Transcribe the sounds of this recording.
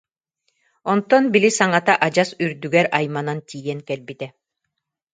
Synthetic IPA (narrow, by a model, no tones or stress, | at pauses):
ɔnt̪ɔnbilisaŋat̪aʔad͡ʑasyɾd̪yɡɛɾajmanant̪ʰiːjɛŋkɛlbit̪ɛ